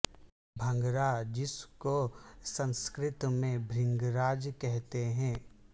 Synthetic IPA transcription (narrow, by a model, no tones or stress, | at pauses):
bʱɐ̃ŋɡɾad͡ʒɪskosə̃nskɾɪt̪mẽbʱɾɪ̃ŋɡɾaːd͡ʒkɛɦt̪eɦɛ̃ː